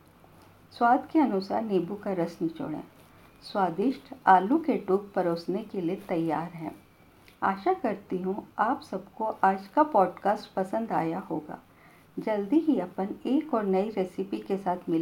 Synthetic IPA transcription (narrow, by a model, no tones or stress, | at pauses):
swaːd̪ʱkeɐnʊsa̰ːɾneːbukaɾɐsnit͡ʃʊ̰ɽḛ̃ː | swaːd̪ɪʃʈʰaːlukeʈuːk̚pɐɾoːsnekeliet̪ɐjːaːɾɦɛ̰̃ː | a̰ːʃakɐɾt̪iɦũaːpsɐbkoʔaːd͡ʒkapɔːɖkaːsʈpɐsə̃nd̪a̰ːjaɦoːɡa̰ː | d͡ʒɐld̪iɦiɐpəneːkɔːɾnɐiɾeːsɪpikesaːt̪ʰmɪl